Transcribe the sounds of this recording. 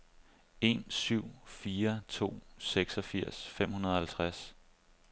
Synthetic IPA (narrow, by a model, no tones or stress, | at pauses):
e̝̰nsyʊ̰fiːɐt͡sʰo̝̰ːseɡ̥sɒ̽fiɐ̰sfem̰hunɐðˠɒ̽hælt͡sʰʁas